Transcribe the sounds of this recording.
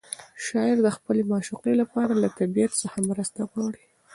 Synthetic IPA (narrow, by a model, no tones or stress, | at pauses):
ʃɑɪɾd̪əxpəlemɑʃuqelapɑɾalat̪abijat̪səxamɾəst̪aɣwɑɽi